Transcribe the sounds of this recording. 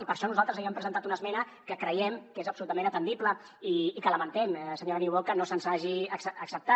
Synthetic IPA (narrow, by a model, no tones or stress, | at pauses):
ipəɾʃɔnuzalˠt̪ɾəzaβiəmpɾəzənt̪at̪unəzmɛnə | kəkɾəjɛmkezəpsulut̪əmẽnət̪ənd̪iplə | iːkələmənt̪ɛmsəɲoɾəniwβolkənosənzaʒiəsːksəp̚t̪a